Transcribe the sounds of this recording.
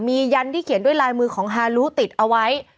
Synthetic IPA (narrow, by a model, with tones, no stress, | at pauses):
miː˧ja˧nt̪ʰiː˥˩kʰi˨˩˦ndu˥˩əjlaː˧jmɯː˧kʰɔː˩˦ŋɦaː˧luː˦˥t̪i˨˩t̪̚ʔa˧wa˦˥j